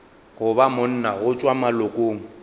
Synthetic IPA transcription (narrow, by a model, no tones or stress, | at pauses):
ɣʊbamʊn̩naɣʊt͡ʃʼwamalokʼoːŋ̩